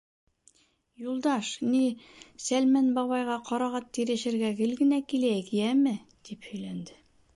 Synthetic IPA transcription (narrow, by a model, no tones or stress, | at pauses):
julˠd̪ɑʃnisælmænbɒβɑjʁɑqɒɾɑʁɑt̪ːiɾɘ̆ʃɘ̆ɾɡæɡɘlɡɘ̆nækilækijæmɘd̪̥iphɵ̆jlænd̪ɘ